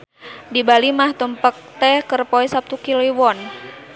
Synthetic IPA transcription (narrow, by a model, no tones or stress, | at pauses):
dibalimaht̪əmpək̚t̪ɛhkərpɔɛsap̚t̪ukilewɔn